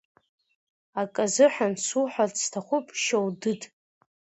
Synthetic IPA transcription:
akʼazɨħansuħʷᶣastʰaχʷʊpʼʃowdɨdʰʼ

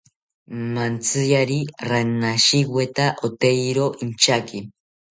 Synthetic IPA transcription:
mant͡sɨjaɾiranaʃiɡwet̪aʔot̪ejɾoʔint͡ʃaki

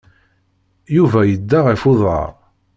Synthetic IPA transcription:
juvæjəd̪ːaʁefʊðˤɑ̰ɾˤ

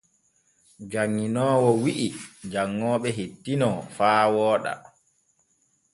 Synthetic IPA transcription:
d͡ʒaŋːinɔːwɔwiʔid͡ʒaŋːɔːɓɛɦetːinɔfaːwɔːɗa̰

